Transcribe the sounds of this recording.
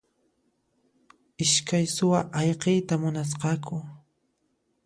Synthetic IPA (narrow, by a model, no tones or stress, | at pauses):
ɪʃkajsʊwaʔɑjqejt̪amʊnas̬qɑkʰʊ